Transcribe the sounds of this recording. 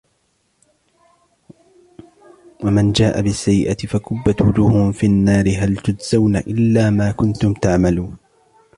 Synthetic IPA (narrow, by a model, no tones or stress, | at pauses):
wamand͡ʒaːʔabɪsːajːɪʔat̪ɪfakʊbːat̪wʊd͡ʒʊːhʊmfiːanːaːɾɪɦalt̪ʊd̪z̥awnaʔɪlːaːmaːkʊnt̪ʊmt̪aʕmaluːn